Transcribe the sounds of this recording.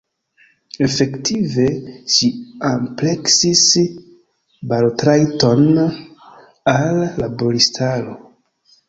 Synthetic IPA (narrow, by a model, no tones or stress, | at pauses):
e̞fe̞ktʰive̞ʃiample̞ksis | baltɾajto̞n | alːabo̞ɾistʰaɾo̞